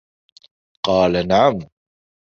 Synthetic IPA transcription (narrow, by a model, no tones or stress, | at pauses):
qɑːlanaʕam